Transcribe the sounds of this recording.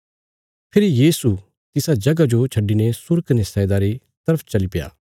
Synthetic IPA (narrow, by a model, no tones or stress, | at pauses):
pʰɪɾijiːsu | t̪ɪsad͡ʒɐɡad͡ʒot͡ʃʰɐɖːinesʊɾknesɛd̪aɾi | t̪ɐɾəpʰt͡ʃɐlipɪja̰ː